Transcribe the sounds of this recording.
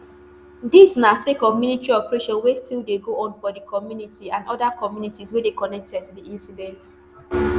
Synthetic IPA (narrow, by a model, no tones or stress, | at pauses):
disnasekɔvminitɹiɔpɹeʃɔ̃nwɛstilˠdeɡoʔɔ̃nfɔdəkʰɔmjunitiãnɔdakʰɔmjunitiswɛdekɔnɛk̚tɛd̚tudiĩnsidɛ̃nt